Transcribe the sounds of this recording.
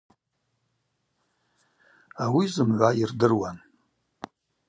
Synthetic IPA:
awizɨmʕʷairdɨrwan

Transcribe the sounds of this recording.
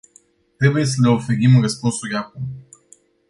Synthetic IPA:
t̪ɾe̞buje̞s̬əle̞o̞fe̞ɾimrəspunsuɾʲakum

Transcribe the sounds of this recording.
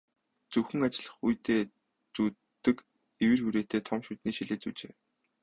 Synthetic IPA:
t͡suxɘ̆ŋat͡ɕɪ̆ɮə̆χujt̪ʰeː | t͡suː | t̪ːɘ̆k | iwɘ̆rxuɾeːt̪eːt̪ʰɔmʃut̪niːʃiɮeːt͡suːt͡ɕeː

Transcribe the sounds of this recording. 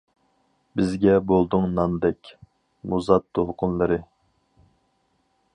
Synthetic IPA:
bɪzɡʲɛbolˠd̪ʊŋnɑnd̪ɛkʲ | muzɑt̪ʰːolˠqʰʊnlˠɨɾɨ

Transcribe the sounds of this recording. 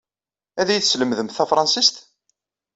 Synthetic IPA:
æðæjθsləmðəmθθæfɾˤɑnsist̪

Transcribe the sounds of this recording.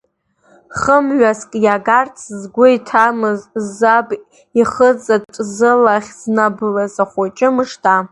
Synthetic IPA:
χəmɥaskʼjaɡart͡sʰzɡʷʊitʰamɨzzab | iχət͡sʼat͡ʃʼzɨlaχʲz̥nabɨlazaχʷat͡ʃʼɪmɨʂtʰa

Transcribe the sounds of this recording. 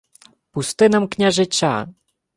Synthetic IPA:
pust̪ɨnɐmknʲaʐɨt͡ɕʲa̰

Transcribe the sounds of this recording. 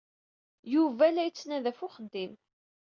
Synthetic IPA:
juvælːæjət͡sːnæðæfʊχənd̪im

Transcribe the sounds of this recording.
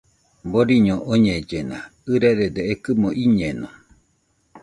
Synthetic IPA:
boɾiɲoʔoɲed͡ʒenaɨɾeɾed̪eekɨmoʔiɲeno

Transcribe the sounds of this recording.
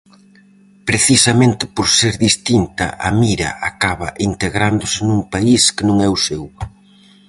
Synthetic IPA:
pɾeθisɐmẽnt̪ɪ̥poɾseɾðist̪int̪ɐ̰ʔɐ̰miɾɐ̰akaβɐʔint̪eɣɾand̪ʊsɪnuŋpaiskɪnõŋɛʊsew

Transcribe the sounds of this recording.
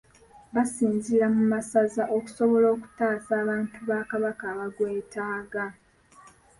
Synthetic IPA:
βasiːnziɾamumasazaʔo̞ku̥so̞βo̞lo̞ːku̥taːsaːβaːntuβaːkaβakaːβaɡweːtaːɡa

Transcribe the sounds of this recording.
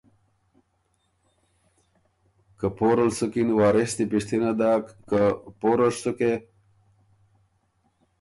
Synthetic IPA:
kəpoɾəlsəkinwɑːɾest̪ipiʂt̪inad̪akkəpoɾəʂsuke

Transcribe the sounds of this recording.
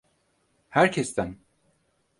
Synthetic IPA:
hæɾcʰɛst̪æn

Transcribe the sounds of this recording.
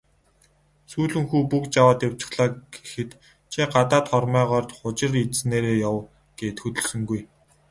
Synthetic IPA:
suːɮɵ̆ŋxuːpukt͡ɕawaːt̪jaw̥t͡ɕɪ̥̆χɮaːɡ̥e̥xɘ̆t̪ | t͡ɕʰiɢat̪aːt̪χɔrmœːʁɔːrt̪χʊt͡ɕɪ̆rineːɾeːjaw | ɡ̥eːt̪xɵt̪ɵ̆ɮsɵ̆ŋɡuj

